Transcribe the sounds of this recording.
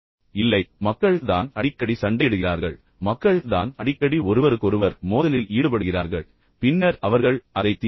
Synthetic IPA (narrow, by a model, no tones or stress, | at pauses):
ɪlːɐɪmɐkːɐɭt̪a̰ːnɐɽɪkːɐɽisɐɳɖɐɪɽɯɣɪraːɾɣɐɭ | mɐkːɐɭt̪a̰ːnɐɽɪkːɐɽiɔɾɯʋɐɾɯkːɔɾɯʋɐɾmoːðɐlɪliːɽɯpɐɽɯɣɪraːɾɣɐɭ | pɪnːɐɾɐʋɐɾɣɐɭɐðɐɪt̪ːɪ